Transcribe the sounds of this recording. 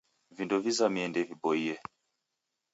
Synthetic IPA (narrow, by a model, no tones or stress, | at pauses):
vindɔvizamiɛndɛvibɔiɛ